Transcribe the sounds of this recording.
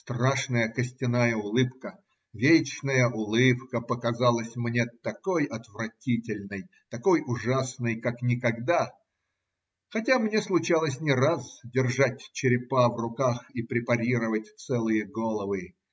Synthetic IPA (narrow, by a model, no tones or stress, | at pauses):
st̪raʂnəjəkəsʲtʲɪnajəʊlˠɨpkə | vʲet͡ɕnəjəʔʊlˠɨpkəpəkɐzalˠəsʲmnʲet̪ɐkojɐt̪vrɐtʲitʲɪlʲnɨj | t̪ɐkojʊʐasnɨjkaknʲɪkɐɡd̪a | xɐtʲamnʲeslˠʊt͡ɕalˠəsʲnʲɪɾasdʲɪrʐat̚ʲt͡ɕɪɾʲɪpavrʊkaxipɾʲɪpɐɾʲiɾəvət̚ʲt̪sɛlˠɨjəɡolˠəvɨ